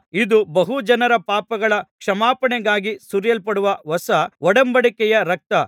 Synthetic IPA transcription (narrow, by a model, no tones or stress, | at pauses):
id̪ubɐɦud͡ʒɐnɐɾɐpaːpɐɡɐɭɐkʂɐmaːpɐɳɛɡaːɡisuɾjɐlpɐɽuʋɐʋɐsɐɔɽɐmbɐɽikɛjɐɾɐk̚t̪ɐ